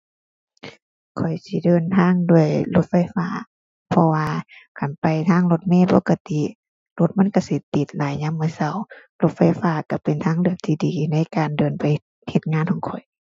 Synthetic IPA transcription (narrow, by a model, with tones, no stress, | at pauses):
kʰɔ˨˩jsi˧˦dɤː˨nt̪ʰaː˧˥˨ŋdu˧˩əjlo˧˦t̪̚fa˧˩jfaː˧˥˨ | pʰɔ˧waː˧kʰa˨˩npa˨jt̪ʰaː˧˥˨ŋlo˧˦t̪̚mɛː˧˥˨poː˧˦ka˧t̪i˧˨ | lo˧˦t̪̚ma˧˥˨nka˧˩si˧˦t̪i˧˦t̪̚laː˨˦jɲa˧˥˨mːɯ˧˨sa˧˩wlo˧t̪̚fa˧˩jfaː˧˩ka˧˩pe˨nt̪ʰaː˧˥˨ŋlɯ˧˩ək̚t̪ʰiː˧˩diː˨na˧˥˨jkaː˨ndɤː˨npa˨j | he˧t̪̚ŋaː˧˥˨nhʰɔː˨˩ŋkʰɔ˨˩j